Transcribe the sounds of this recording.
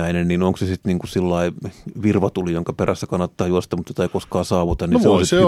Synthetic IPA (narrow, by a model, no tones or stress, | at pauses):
æinenninoŋksesit̪niːŋkusilːɑiʋirʋɑt̪ulijoŋkɑperæsːækɑnːɑt̪ːɑːjuost̪ɑmut̪jot̪ɑikoskɑːsɑːʋut̪ɑnnisʋeonsise